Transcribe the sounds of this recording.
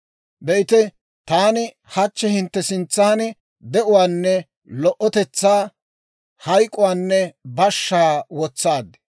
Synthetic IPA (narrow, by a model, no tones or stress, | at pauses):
bɛɪt̪ɛ | t̪aːnɪ | hɐt͡ʃːɛhɪnt̪ːɛsɪnt͡sːaːnɪ | d̪ɛʔʊwaːnːɛ | lɔʔɔt̪ɛt͡sːaː | hɐjkʼːʊwaːnːɛbɐʃːaːwɔt͡sːaːd̪ɛ